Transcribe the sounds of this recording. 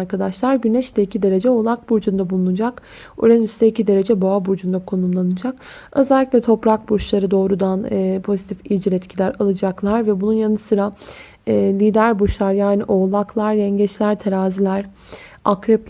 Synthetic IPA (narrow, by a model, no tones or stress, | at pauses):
ɾkad̪aʃlˠaɾɟynɛʃd̪ɛicʰid̪e̞ɾe̞d͡ʒɛolˠak̚buɾd͡ʒund̪abulˠunud͡ʒak | ṵɾɛnyst̪ʰɛicʰid̪e̞ɾe̞d͡ʒɛbaabuɾd͡ʒund̪akʰo̞numlˠanɯd͡ʒak | ø̞zɛlʲːicʲlʲɛt̪ʰo̞pɾak̚but͡ʃlˠaɾɯd̪o̞ːɾud̪anɯpʰo̞zit̪ʰifilʲd͡ʒiɾɛt̪cʰilʲæɾalˠɯd͡ʒaklˠaɾvɛbununjanɯsɯɾaː | lʲiːd̪æɾbuʃlˠaɾjaːniʔo̞lˠaklˠaɾjɛɲɟɛt͡ʃlʲæɾt̪ʰeɾaːzilʲæɾ | akɾɛp